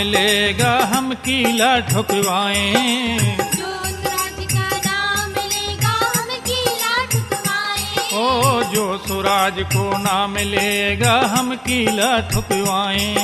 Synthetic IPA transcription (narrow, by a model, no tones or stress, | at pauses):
ɪleːɡaːɦəmkiːlaːʈʰʊkɪʋaːẽː | oɾaːd͡ʒkanamɪleːɡaɦɐmkilaʈʰʊkʋaːeoːd͡ʒoːsʊɾaːd͡ʒkoːnaːmɪleːɡaːɦəmkiːlaːʈʰʊkɪʋaːẽː